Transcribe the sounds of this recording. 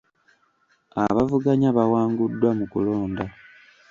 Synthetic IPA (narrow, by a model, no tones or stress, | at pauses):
a̰βavuɡaɲaβawaːŋɡudːwamukṵlo̞ːnda